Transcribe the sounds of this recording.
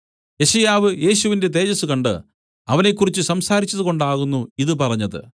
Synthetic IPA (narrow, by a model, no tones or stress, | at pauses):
je̞ɕɐjaːʋɨje̞ːɕuʋinde̞t̪̬e̞ːd͡ʑɐsukɐɳɖɨ̰ | ɐʋɐne̞kːurit͡ɕːɨsɐmsaːɾit͡ɕːɐðuko̞ɳɖaːɣunːuiðɨpɐrɐɲːɐðɨ̰